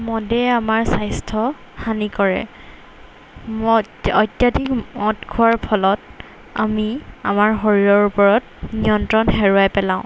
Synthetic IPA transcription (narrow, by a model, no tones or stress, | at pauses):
mɔdɛamaɹsajstʰɔ | hanikɔɹɛ̰ | m | ɔtjadikmɔtkʰuwaɹpʰɔlɔt | a̰mia̰maɹɦoɹiɹɔɹupɔɹɔt̚ | nijɔntɹɔnɦɛɹʊajpɛlãʊ̃